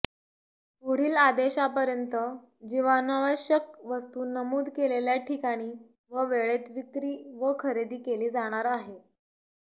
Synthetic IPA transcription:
puɽ̤iːlad̪eɕapəɾjənt̪ə | d͡ʑiʋanaʋəɕək̚ʋəst̪uːnəmuːd̪ʱkeleljaʈʰikaɽ̃iː | ʋəʋeɭet̪ʋikɾiːʋəkʰəɾed̪iːkeliːd͡zaɽ̃aɾaɦe

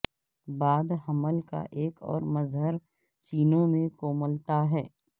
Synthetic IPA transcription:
baːd̪ɦɐməlka̰ʔeːkɔ̰ːɾmɐzɦəɾ | siːnõmẽkoːməlt̪aɦɛː

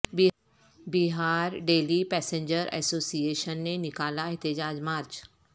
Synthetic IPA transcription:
biɦaːɾɖeːlipɛːsẽɲd͡ʑəɾɛ̰soːsieːʃənːenɪkaːlaɛɦt̪id͡ʑaːd͡ʑmaːɾt͡ʃ

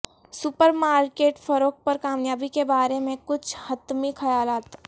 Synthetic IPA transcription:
sʊpəɾmaːɾkeːʈfɐɾoːk̚pɐɾkaːmjaːbikebaːɾemẽkʊt͡ʃʰhɐt̪mixʰɐjaːlaːt̪

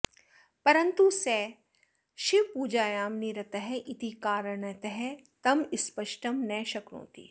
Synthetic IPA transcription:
pɐɾɐnt̪usɛː | ʃipuːd͡ʒaːjaːmniɾɐt̪ɐɦɛʔɪt̪ikaːɾəɳɐt̪ɐɦɛ | t̪ɐmɪspɐʃʈɐmnɛːʃɐkɾõ̰ːt̪ḭː

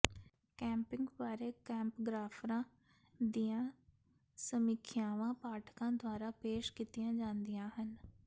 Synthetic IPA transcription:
kɛ̃ːmpɪŋɡbaːɾeːkɛ̃ːmpɡɾaːpʰɾãː | d̪ijãː | səmiːkʰɪjaːʋãːpaːʈʰkãːd̪ʊaːɾaːpeːʃkit̪ɪjãːd͡ʒãːnd̪ijãːɦən

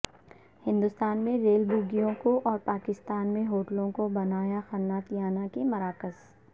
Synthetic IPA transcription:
hɪ̃nd̪ʊst̪aːnmẽɾeːlbʊɡijõkoʔɔːɾpaːkɪst̪aːnmẽɦoːʈəlõkobɐnaːjaxɐnːaːt̪jaːnakemɐɾaːkəz

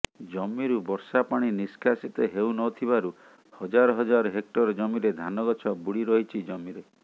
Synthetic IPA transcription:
d͡ʒɔmiɾubɔɾsapaɽ̃iniskʰasit̪eɦewnɔt̪ʰiβaɾu | hɔd͡ʒaɾɔɦɔd͡ʒaɾɔɦek̚ʈɔɾd͡ʒɔmiɾed̪ʱanɔɡɔt͡ʃʰɔbuɽiɾɔɦit͡ʃʰid͡ʒɔmiɾe

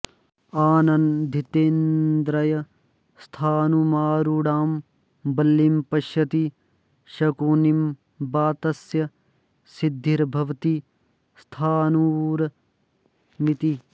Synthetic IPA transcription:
aːnɐnd̪ʱit̪eːnd̪ɾɐjɐ | st̪ʰaːnumaːɾuɽaːm | bɐlːimpɐʃjɐt̪i | ʃɐkuːnim | baːt̪ɐsjɐ | sid̪ʱːiɾbʱɐʋt̪i | st̪ʰaːnuɾɐ | mit̪i

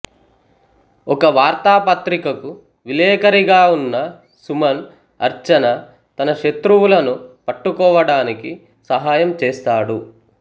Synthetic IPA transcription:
ɔkɐʋaːɾt̪aːpɐt̪ɾikɐku | ʋilɛːkɐɾiɡaːunːɐ | sumɐn | ɐɾt͡ʃɐnɐ | t̪ɐnɐʂet̪ɾuwulɐnupɐʈːukɔːʋɐɽaːniki | sɐɦaːjɐmt͡ʃeːst̪aːɽu

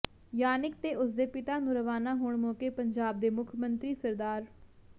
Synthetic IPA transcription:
jaːnɪkt̪eːʔʊsd̪eːpɪt̪aːnũːɾəʋaːnaːɦoːɳmoːkeːpəɲd͡ʒaːb̚d̪eːmʊkʰmənt̪ɾiːsəɾd̪aːɾ

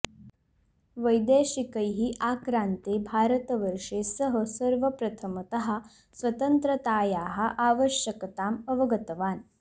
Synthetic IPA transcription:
ʋəjd̪eːɕikəjɦiʔaːkɾaːnt̪eːbʱaːɾət̪ɐʋəɾʂeːsɐɦəsɐɾʋɐpɾɐt̪ʰɐmɐt̪ɐɦa | sʋɐt̪ənt̪ɾɐt̪aːjaːɦɐʔaːʋəɕjəkɐt̪aːmɐʋɐɡɐt̪ɐʋaːn

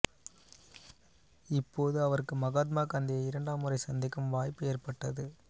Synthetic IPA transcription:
ɪpːoːðɯɐʋɐɾɯkːɯmɐɣaːt̪̬̚maːkaːnd̪ɪjɐɪɾɐɳɖaːmɯrɐɪsɐnd̪ɪkːɐmʋaːjpːɯeːɾpɐʈːɐðɯ

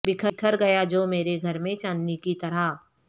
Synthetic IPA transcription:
bɪkʰəkʰəɾɡɐjad͡ʒoːmeːɾeɡʱɐɾmẽt͡ʃãːnnikit̪ɐɾa

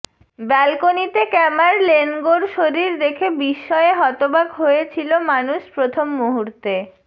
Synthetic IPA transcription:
bɛlkonit̪ekɛmaɾlenɡoɾʃoɾiɾd̪ekʰebiʃːɔeɦɔt̪obakɦoet͡ɕʰilomanuʃpɾot̪ʰomːuɦuɾt̪e

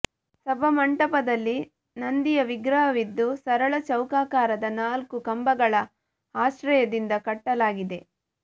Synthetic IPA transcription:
sɐbʱɐmɐɳʈɐpɐd̪ɐlːi | nɐnd̪ijɐʋiɡɾɐɦɐʋid̪ːusɐɾɐɭɐt͡ʃɐwkaːkaːɾɐd̪ɐnaːlkukɐmbɐɡɐɭɐ | aːʃɾɐjɐd̪ind̪ɐkɐʈːɐlaːɡid̪e̞

